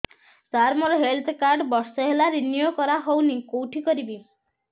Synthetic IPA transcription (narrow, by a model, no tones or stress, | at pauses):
t͡ʃaɾmɔɾɔɦelt̪ʰkaɾɖbɔsɔɦelaɾinjokɔɾaɦownikowʈʰikɔɾibi